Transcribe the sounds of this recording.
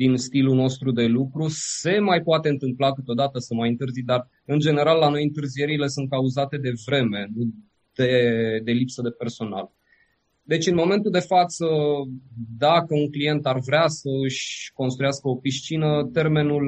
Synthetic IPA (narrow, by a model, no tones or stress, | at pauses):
d̪inst̪iluno̞st̪ɾud̪e̞lukɾuse̞majpoat̪e̞ɨnt̪ɨmplakɨt̪o̞d̪at̪əsəmajɨnt̪ɨrzid̪ar | ɨnd͡ʒe̞ne̞ɾalːano̞jɨnt̪ɨrzije̞ɾile̞sunt̪̚kauzat̪e̞d̪e̞vɾe̞me̞nu | d̪̥e̞d̪e̞lipsəd̪e̞pe̞rso̞na̰l | d̪e̞t͡ʃɨnmo̞me̞nt̪uld̪e̞fat̪sə | d̪akəunklije̞nt̪arvɾeasəɨʃʲko̞nst̪ɾujaskəo̞piʃt͡ʃinət̪e̞rme̞nul